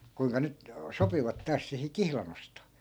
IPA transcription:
kuiŋkɑ nyt sopiʋɑt tɑːs sihi kihlɑn ostoː

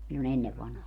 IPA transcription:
silːon enːeʋ ʋɑnhɑː

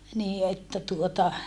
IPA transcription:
niː etːæ tuotɑ

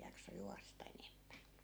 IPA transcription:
jɑkso juɑstɑ enemːæ

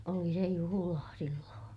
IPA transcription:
oli se juhulɑː silːõː

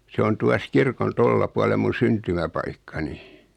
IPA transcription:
se on tuɑs kirkon tolːɑ puɑlem̆ mun̞ syntymæpɑikːɑni

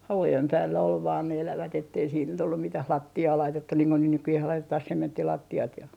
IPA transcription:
hɑʋujem pæːlːæ ol ʋɑːn ne elæʋæt etːei siːt nyt olːum mitæh lɑtːiɑː lɑitetːun niːŋ ko niːh nykyjeh lɑitetɑh sementːilɑtːiɑt jɑ

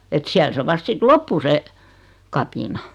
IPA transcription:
et siæl se ʋɑst sit lopːu se kɑpinɑ

